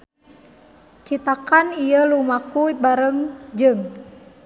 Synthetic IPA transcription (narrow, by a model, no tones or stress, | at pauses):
t͡ʃit̪akanijəlumakuibaɾəŋd͡ʒɨŋ